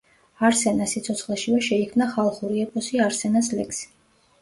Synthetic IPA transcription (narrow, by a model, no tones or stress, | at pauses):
aɾsɛnasit̪sʰɔt̪sχlɛʃivɛʃɛikʰmnaχalˠχuɾiɛpʼɔsiaɾsɛnas̬lɛkʰsi̥